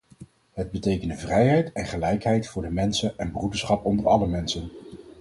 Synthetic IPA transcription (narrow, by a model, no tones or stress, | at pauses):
ɦəd̚bətejkəndəvrɛjɦɛjtɛnχəlɛjkɦɛjtfʊːɹdəmɛnsənɛnbrudəɹsχɑpɔndəɹɑləmɛnsən